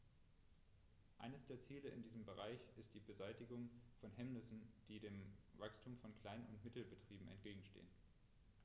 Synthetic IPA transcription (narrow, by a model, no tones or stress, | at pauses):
ʔa̰ɪnəsd̥eːɐt͡siːləʔɪ̰ndiːzəmbəʁ̞aɪçɪst̚d̥iːbəzaɪtɪɡʊŋfɔnɦɛmnɪsn̩d̥iːdeːmvakstʰuːmfɔnkl̥aɪnʊ̰ntmɪtl̩bətʁ̥iːbm̩ɛ̰ntɡ̥eːɡŋ̩ʃtḛːən